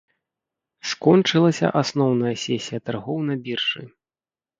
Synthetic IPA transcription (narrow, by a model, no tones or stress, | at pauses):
skɔnt͡ʂɨlˠɐsʲɐ̰ʔasnɔwnɐjɐsʲɛsʲijɐt̪arɣɔwnɐbʲirʂɨ